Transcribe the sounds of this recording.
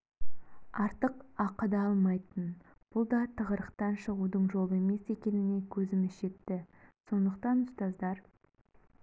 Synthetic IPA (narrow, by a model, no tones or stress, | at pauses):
ɑɾt̪əqɑqəd̪ɑɑlˠmɑjt̪ən | b̥ʊlˠd̪ɑt̪ʰəʁəɾəqt̪ɑnʃəʁud̪əɴʒo̞lˠəe̞me̞se̞kʲe̞nɪne̞kʲʰɵzɪmɪzʒe̞t̪ːɪso̞nd̪əq̚t̪ɑnʊst̪ɑzd̪ɑɾ